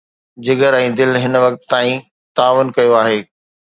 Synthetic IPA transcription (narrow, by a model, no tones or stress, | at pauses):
d͡ʑɪɡəɾɛ̃ːd̪ɪlɦɪnʋɐk̚t̪t̪ːaːĩ | t̪aːʋənkɐjoaːɦeː